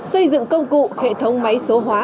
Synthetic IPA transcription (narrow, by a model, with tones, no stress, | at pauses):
sə˧jzɨ̰˧˨ŋkə˧wŋ͡mkṵ˧˨hḛ˧˨t̪ʰə˨˦wŋ͡mma˨˦jso˨˦ɦwaː˨˦